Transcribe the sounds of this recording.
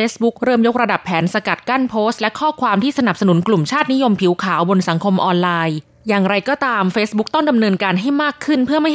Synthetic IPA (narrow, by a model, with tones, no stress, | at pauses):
eː˦˥sbu˦˥k̚ɾɤː˥˩mjo˦˥k̚ɾa˧da˨˩pʰːɛː˩˦nsa˧ka˨˩t̪̚ka˥˩npʰoː˦˥st̪̚lɛ˦˥kʰɔː˥˩kʰwaː˧mt̪ʰiː˥˩sa˧na˨˩p̚sa˧nu˩˦nklu˨˩mt͡ɕʰaː˥˩t̪̚ni˦˥jo˧mpʰi˨˩˦wkʰaː˩˦wbo˧nsa˩˦ŋkʰo˧mʔɔː˧nlaː˧j | jaː˨˩ŋɾa˧jkɔː˥˩t̪aː˧mfeː˦˥sbu˦˥k̚t̪ɔ˥˩ŋda˧mnɤː˧nkaː˧nɦa˥˩jmaː˥˩kʰːɯ˥˩npʰɯ˥˩ɐma˥˩